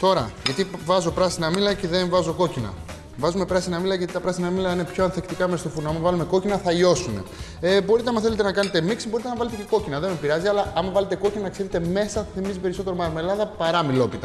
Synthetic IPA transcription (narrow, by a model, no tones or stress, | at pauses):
t̪o̞ɾɐʝɐt̪ivɐzo̞pɾɐsinɐmilɐceðenvɐzo̞ko̞cinɐ̰ | vɐzume̞pɾɐsinɐmilɐʝɐt̪it̪ɐpɾɐsinɐmilɐine̞pçoɐnθe̞kt̪ikɐmest̪ofunoɐmɐvɐlume̞ko̞cinɐθɐʎo̞sune̞̰ | ebo̞ɾit̪eɐmɐθelet̪e̞nɐkɐne̞t̪e̞miksibo̞ɾit̪enɐvɐle̞t̪ece̞ko̞cinɐðe̞mepiɾɐziɐlɐʔɐmɐvɐle̞t̪e̞ko̞cinɐnɐkse̞ɾet̪e̞me̞sɐθimizipeɾiso̞t̪e̞ɾo̞mɐɾme̞lɐðɐpɐɾɐmilo̞pit̪ɐ